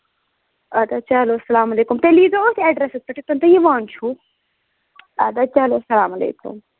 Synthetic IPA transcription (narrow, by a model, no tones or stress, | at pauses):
ɐd̪ɐt͡ʃɐloːsɐlaːmɐleːkumt̪eliːzɐot̪iɐɖɾesɪspɐʈit̪ɐnt̪ɐjiʋaːnt͡ʃʰu | ɐd̪ɐt͡ʃɐloːsɐlaːmɐlḛːkṵm